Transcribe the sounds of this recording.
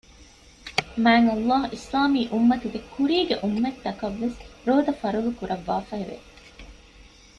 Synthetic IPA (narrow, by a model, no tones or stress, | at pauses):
mæːŋɐlˠːɑːɦuʔislaːmiːʔumːɐt̪uɡekːuɾiːɡeʔumːɐt̪ːɐkɐʋːesɾoːd̪ɐfɐɾulukuɾɐʋːaːfɐɦeʋḛ